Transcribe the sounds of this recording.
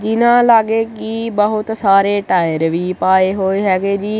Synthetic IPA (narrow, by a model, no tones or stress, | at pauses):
d͡ʒɪnãːlaːɡeːkɪbəɦʊt̪saːɾeːʈaːɪjəɾʋiːpaːeːɦoːeːɦɛːɡeːd͡ʒiː